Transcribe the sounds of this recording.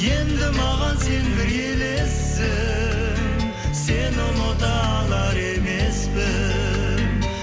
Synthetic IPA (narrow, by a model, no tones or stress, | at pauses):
je̞nd̪ɪmɑʁɑnse̞nbɪɾjele̞s | ɪ | ŋ | se̞nonot̪ɑ | lˠɑɾe̞me̞spɪ